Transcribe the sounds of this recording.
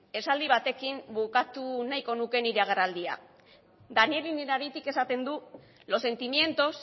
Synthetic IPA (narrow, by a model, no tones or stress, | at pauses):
e̞sald̪iβ̞at̪e̞kimbukat̪unajko̞nuke̞niɾeaɣ̞erald̪ia̰ | d̪anieliniɾaɾit̪ike̞sat̪e̞nd̪u | lo̞se̞nt̪imje̞nt̪o̞s